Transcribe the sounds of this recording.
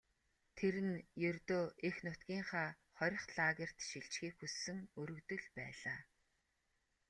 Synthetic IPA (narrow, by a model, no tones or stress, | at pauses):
t̪ʰeɾɘ̆njɵrt̪oːʔexnʊt̪kʲiːŋχaː | χɔɾʲɞ̆χɮaːɣʲĕr̥t̪ʃiɬt͡ɕxiːkxusːɘ̆ŋɵɾɵ̆kt̪ɵ̆ɮpæːɮaː